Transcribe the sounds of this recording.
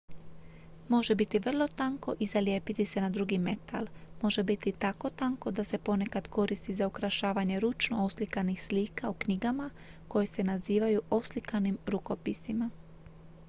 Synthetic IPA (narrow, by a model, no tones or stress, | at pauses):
mo̞ʒe̞bit̪iʋr̩lˠo̞t̪aŋko̞ʔizaljeːpit̪ise̞nad̪ɾuɡime̞t̪ʰa̰lˠmo̞ʒe̞bit̪it̪ako̞t̪aŋko̞d̪ase̞po̞ne̞kad̪ko̞ɾist̪izaukɾaʃaːʋaɲe̞ɾut͡ʃnooslikanixsliːkaukɲiɡama | ko̞jese̞naziːʋajuo̞slikanimɾuko̞pisima